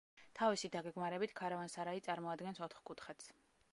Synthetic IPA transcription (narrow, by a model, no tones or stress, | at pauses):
t̪ʰavisid̪aɡɛɡmaɾɛbit̪ʰkʰaɾavansaɾait̪sʼaɾmɔad̪ɡɛnsɔt̪ʰχkʼut̪ʰχɛt̪s